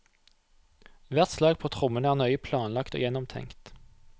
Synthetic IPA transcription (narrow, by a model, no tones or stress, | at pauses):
ʋæʁt̪slɑːɡ̚pʰoːt̪ʰʁʊmənəæːʁnœʏəpʰlɑːnlɑkt̪o̰ːjɛnɔmt̪ʰɛ̰ŋkt̪